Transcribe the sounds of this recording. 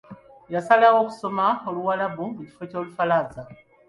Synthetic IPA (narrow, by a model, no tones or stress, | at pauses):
jasalawo̞ku̥so̞maoluwalaβuuci̥fo̞co̞ːlufalaːza